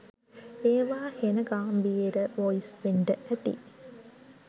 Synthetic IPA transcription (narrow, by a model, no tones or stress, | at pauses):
eːʋaːhenəɡaːmʋiɾəʋoisʋeɳɖəʔæt̪ḭ